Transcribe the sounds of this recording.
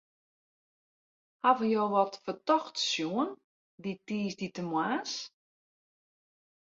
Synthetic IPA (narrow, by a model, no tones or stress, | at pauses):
havəjoːʋɔtfərtɔxtsjuən | ditiːsditəmwaːs